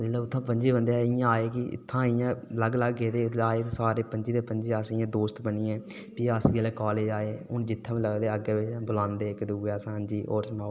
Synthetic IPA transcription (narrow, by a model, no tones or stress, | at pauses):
d͡ʒlaːʊt̪ʰːãːpəɲd͡ʒeːbənd̪ejaːɪjãːaːeːkɪɪ̰t̪ʰːãːɪjãːləɡləɡːeːd̪eːaːeːsaːɾeːpəɲd͡ʒeːd̪eːpəɲd͡ʒeːasɪjãːd̪oːst̪bəɳiːɛ̃ː | piːaːsɡeːleːkaːleːd͡ʒaːeʊnd͡ʒɪt̪ʰːãːʋĩːləɡd̪eːəɡeʋebʊlãːnd̪eːɪkːd̪uɡɛːsãːɦənd͡ʒiːʔoːɾsmaː